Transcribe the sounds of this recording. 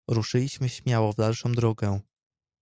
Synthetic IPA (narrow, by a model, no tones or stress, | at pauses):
ɾuʂɘlʲiɕmɘɕmʲjawɔvd̪alʂɔ̃w̃d̪ɾɔɡɛ